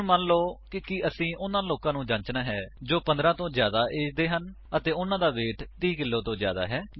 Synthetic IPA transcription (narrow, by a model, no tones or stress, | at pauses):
mənloːkɪkiəsĩːʔʊnãːloːkãːnũːd͡ʒãːɲt͡ʃnaːɦɛːd͡ʒoːpənd̪ɾãːt̪õːzjaːd̪aːʔeːd̪eːɦən | ət̪eːʊnãːd̪aːʋeːʈt̪iːkɪlːoːt̪õːzja̰ːd̪a̰ːɦɛː